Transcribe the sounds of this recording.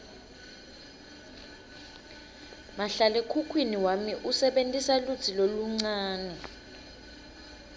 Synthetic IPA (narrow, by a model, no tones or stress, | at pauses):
maɬalɛkʰukʰwiniwamiʔusɛɓentʼisalut͡sʰiloluŋ͡ǀaːnɛ